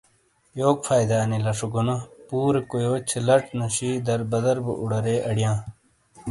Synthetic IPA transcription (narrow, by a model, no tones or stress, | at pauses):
joːk̚fʰaːjd̪aːnilɐʂuɡunɐpuːɾekojoːt͡ɕʰelɐʈnuɕiːd̪ɐɾbɐd̪ɐɾbṵʔuɽɐɾeːʔɐɽijãː